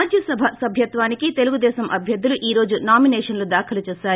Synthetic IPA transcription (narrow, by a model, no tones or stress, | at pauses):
ad͡ʒjɐsɐbʱɐsɐbʱjɐt̪ʋaːnikit̪e̞luɡud̪ɛːsɐmʔɐbʱjɐd̪ːuluʔiːɾo̞ːd͡ʒunaːminɛːʂɐnlud̪aːkʰɐlɐt͡ʃɛːsaːɾu